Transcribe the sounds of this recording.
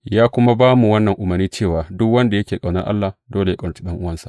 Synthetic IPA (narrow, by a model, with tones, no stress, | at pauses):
jaː˦kʷʊ˦ma˦baː˦mu˨wɐ˦nːɐ˨ŋʔʊ˨mɐ˨rniː˦t͡ʃeː˦˨waː˨dʊ˦kwɐ˦nda˨jɐ˦kʲeː˨kʼa˨wnɐ˦rʔa̰˦lːaː˨doː˦le˨ja˦kʼɐ˨nɐ˨ti̥˦ɗɐ˦ŋʔʊ˦wɐ˦nsḁ˨